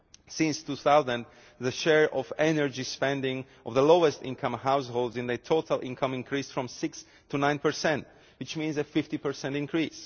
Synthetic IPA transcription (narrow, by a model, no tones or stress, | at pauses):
sɪ̃nstuθaʊzə̃n | ðəʃɛɹʔɔvɛnəɹd͡ʒispɛ̃ndɪ̃ŋ | ʔɔvðəloʊəstɪ̰̃nkʰʌ̃mɦaʊsholˠdzɨ̃nɨtʰoʊtəlˠʔɪ̰̃nkʰə̃mɪ̃nkʰɹisfɹɔ̃msɪks | tʰunãɪ̃npə˞sɛ̃nt | wɨt͡ʃmĩnzɨfɪftipə˞sɛ̃ntɨ̃nkʰɹis